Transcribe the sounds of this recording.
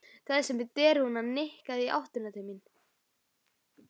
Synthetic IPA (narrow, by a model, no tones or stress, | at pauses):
k̪θaðsɛmvɪt̪ɛːɾhunanɪhkaðia̰wht̪ʏnat̪ʰajmɪn